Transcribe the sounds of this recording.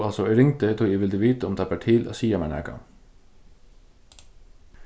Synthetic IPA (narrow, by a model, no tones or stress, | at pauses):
ɑlsɔɛɾɪŋt̪ət̪ʰuːjeʋɪld̪əʋiːt̪əɔmd̪ɑːpæʈʰiːlʔa̰siːɑmænæ̰kɑ̰